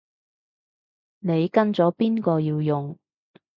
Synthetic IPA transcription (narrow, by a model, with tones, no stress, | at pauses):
ne˨˧jkɐ˥nt͡sɔː˨˥piː˥nkɔː˧jiː˧wjʊ˨ŋ